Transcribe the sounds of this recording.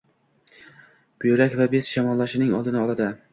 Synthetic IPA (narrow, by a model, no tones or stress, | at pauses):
b̥ʊjɾakʲvabe̞sʃamɒlˠːaʃɪnɪŋɒ̰d̪ɪnɪɒlˠad̪ɪ